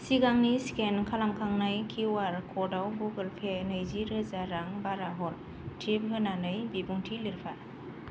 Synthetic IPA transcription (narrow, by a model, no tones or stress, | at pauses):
siɡaŋniskenkʰalamkʰaŋnajkʰiwaɾkʰɔdawbuɡɯlpʰenɯjziɾɯzaɾaŋbaɾaɦɔl | tʰip̚ɦɯnanɯjbibuŋtʰiliɾpʰa